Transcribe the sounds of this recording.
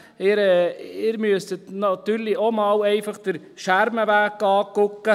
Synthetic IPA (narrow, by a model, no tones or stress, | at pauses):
ɪɾɛɪːɾmyəstət̪nɑt̪yːɾliʔomɑːwɛɪfɑχd̥əɾ | ʃæɾməʋæːkːɑːkʊkːə